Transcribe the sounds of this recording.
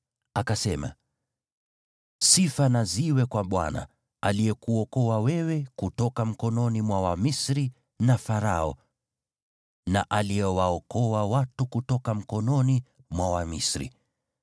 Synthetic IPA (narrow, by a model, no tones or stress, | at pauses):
akasɛma̰ | sifanaziwɛkwaɓwa̰na̰ | alijɛkuɔkɔwawɛwɛkutɔkam̩kɔnɔnimwawamisɾi | nafaɾaɔ̰ | na̰ʔaliɛwaɔkɔwawatukutɔkam̩kɔnɔni | mwawamḭsɾḭ